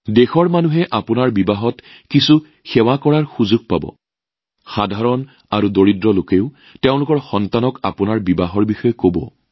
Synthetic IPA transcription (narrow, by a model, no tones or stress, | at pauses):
dexɔɹmanuɦɛʔapʊnaɹbibaɦɔt | kisu | xɛwakɔɹaɹxuzuɡ̚pa̰bɔ̰ | xadʱaɹɔn | aɹudoɹidɹɔlokeʊ | teʊ̃lʊkɔɹxɔntanɔka̰punaɹbibaɦɔɹbixɔjɔkobɔ̰